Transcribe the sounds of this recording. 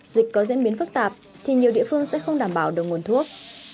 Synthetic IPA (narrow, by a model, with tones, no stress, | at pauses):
zï˨˩k̟̚ʲkɔ˨˦zḭ˧˥nɓi˨˦ənfɨ˦˥k̚t̪aː˨˩p̚ | t̪ʰi˨˩ɲi˨˩əwɗḭ˧˨fɨ˧əŋsɛ̰˧˥xə˧wŋ͡mɗaː˧˩mɓaː˧˩wɗɨ˨˩k̚ŋ˨˩nt̪ʰu˦˥ək̚